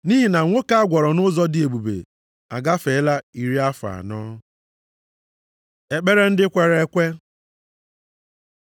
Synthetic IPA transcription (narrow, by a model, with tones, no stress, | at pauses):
ni˦ɦi˨na˨ŋʷo˦ka˦a˦ɡʷɔ˨ɾɔ˨nʊ˦zɔ˦dɪ˨e˨bu˨bḛ˨ | a̰˨ɡa˦fe˨˦la˦i˨ɾi˦a˦fa̰˨nɔː˦ | e˨k͡pe˦ɾe˦n̩˦dɪ˦kʷe˨ɾe˦kʷe˦